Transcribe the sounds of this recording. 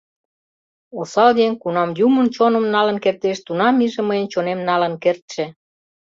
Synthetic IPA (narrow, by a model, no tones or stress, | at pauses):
osɑld̪enʲkunɑmjumənt͡ɕonəmnɑlənkert̪eʃt̪unɑmiʒĕməjənt͡ɕonemnɑlənkert̪ʃĕ